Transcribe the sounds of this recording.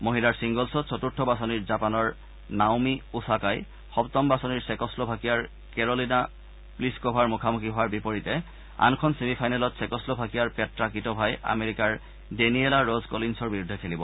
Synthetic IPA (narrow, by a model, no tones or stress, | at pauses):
moɦilaɹsiŋɡɔlsɔsʰɔtuɹtʰːɔbasɔniɹzapanɔɹ | nawmiusakaj | xɔptɔmbasɔniɹsɛkɔslobʱakijaɹ | kɛɹolina | pliskobʱaɹmʊkʰamukʰiɦʊwaɹbipoɹitɛ | a̰nkʰɔnsemipʰajnalɔtsɛkɔslobʱakijaɹpɛtɹakitɔbʱaja̰meɹikaɹ | denielaɹozkolinsɔɹbiɹudʱɛkʰelibɔ